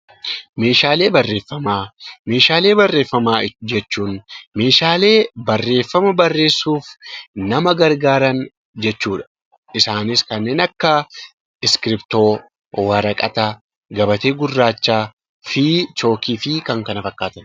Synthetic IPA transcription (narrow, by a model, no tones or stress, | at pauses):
me̞ːʃaːle̞ːbɐrːe̞ːfːɐmaːme̞ːʃaːle̞ːbɐrːe̞ːfːɐmaːd͡ʒɛt͡ʃːuːnme̞ːʃaːle̞ːbɐrːe̞ːfːɐmɐbɐrːe̞ːsːuːfnɐmɐɡɐɾɡaːɾɐn | d͡ʒɛt͡ʃːuːᶑɐ̥ | ʔɪsaːnɪskɐnːe̞ːnɐkːɐ | ɪskɪɾɪpt̪o̞ː | wɐɾɐkʼɐ̰t̪ɐ | ɡɐbɐt̪e̞ːɡʊrːaːt͡ʃːaː | fɪt͡ʃo̞ːkiːfɪkɐŋkɐnɐfɐkːaːt̪ɐn